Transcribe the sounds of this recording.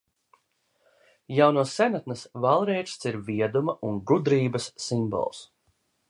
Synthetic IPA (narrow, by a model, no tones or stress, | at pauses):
jawnuɔsːenat̪nɐsvalˠɾɛɾʃst̪iɾviɛd̪umaʔunɡud̪ɾiːbɐsːimbɔ̰lˠs